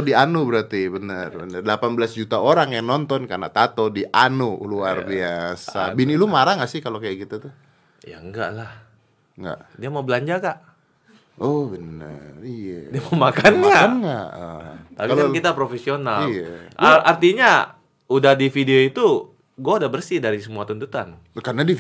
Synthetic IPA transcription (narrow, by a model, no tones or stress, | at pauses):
dianubəɾart̪ibənərbənərdlapanbəlasd͡ʒut̪aoɾaŋjaŋnɔnt̪ɔnkarna̰t̪at̪odiʔanuuluarbiasabinilumaɾaŋasɪhkalokajaʔkit̪at̪u | ja̰əŋɡa̰ʔlah | ŋɡa̰ʔdiamaubəlaɲd͡ʒakaʔ | ɔbənə̰rijadiamaumakanŋaanŋaʔt̪apilankit̪apɾofesionalijaʔart̪iɲa | udahdifideoit̪u | ɡuaudahbərsidaɾisəmuat̪unt̪ut̪an | karnadi